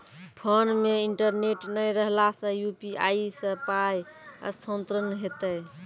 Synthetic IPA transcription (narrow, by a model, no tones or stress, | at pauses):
pʰənmeiɳʈəɾneʈnəjɾəɦlasə̃jupiʔaisəpajə̰st̪ʰont̪ɾənɦet̪əj